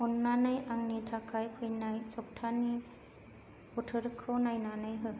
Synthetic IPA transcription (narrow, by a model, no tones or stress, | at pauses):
ɔnːanajaŋnitʰakʰajkʰɯjnajsɔp̚tʰani | putʰɯɾkʰɔnajnanajɦɯ